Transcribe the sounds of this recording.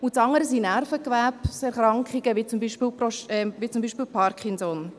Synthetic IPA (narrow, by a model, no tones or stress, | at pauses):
ʊtsɑŋəɾəsinæɾfəkʋæpsɛɾχɾɑŋkχiɡ̥əʋit͡sʊmbiʃpiːlprɔʃɛmʋit͡sumbiːʃpiːlpʰɑɾkʰχɪnsɔn